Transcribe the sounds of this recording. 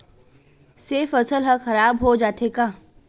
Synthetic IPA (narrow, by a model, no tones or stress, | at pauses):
seːfɐsəlɦəxɐɾaːbɦod͡ʒaːt̪ʰekaː